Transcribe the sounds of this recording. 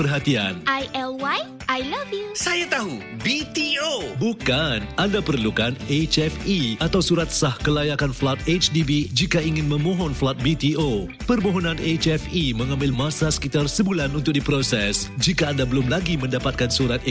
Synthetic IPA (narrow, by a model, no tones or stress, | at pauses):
pərɦat̪ianʔajɛlwaj | ʔajlavjusajat̪aɦubit̪iobukanandapərlukanet͡ʃɛfiat̪awsuɾat̪̚sahkəlajakanflat̪̚et͡ʃdibid͡ʒikaiŋɪ̃nmə̃mɔ̃ɦɔnflat̪̚bit̪io | pərmoɦɔnãnet͡ʃɛfimə̃ŋãmbɪlmãsasə̥kit̪arsəbulanunt̪ʊk̚dipɾosɛsd͡ʒikaːndabəlʊmlaɡimə̃ndapat̪̚kansuɾat̪